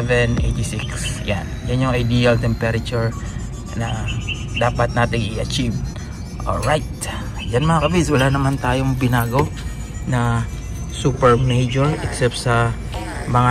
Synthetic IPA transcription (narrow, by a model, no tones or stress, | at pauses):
vɛnʔejt̪isiksja̰njɐnɲoŋɐjd̪ialt̪ɛmpɛɾɐt͡ʃuɹ | nɐ | d̪aːpɐt̪̚naːt̪ɪŋʔɪʔɐt͡ʃiv | ʔo̰ɹajt̪̚ | d͡ʒanmɐŋakɐbiswɐlanɐmant̪aːjoŋbɪnaːɡo | nɐ | suːpɛɹmejd͡ʒoɹɛksɛp̚t̪sɐ | mɐŋa